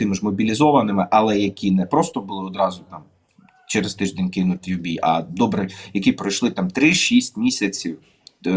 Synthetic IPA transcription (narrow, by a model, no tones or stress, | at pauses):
t̪ɪmɪʒmɔbʲilʲizɔʋɐnɪmɪʔɐlˠɛjɐkʲinɛpɾɔst̪ɔbʊlˠɪɔd̪ɾɑzʊt̪ɑm | t͡ʃɛɾɪst̪ɪʒd̪ʲenʲkɪnʊt̪jʊbʲiʔɐ̰d̪ɔbɾɛjɐkʲipɾɐjʃlˠɪt̪amt̪ɾɪʃisʲtʲmʲisʲɐt͡sʲiw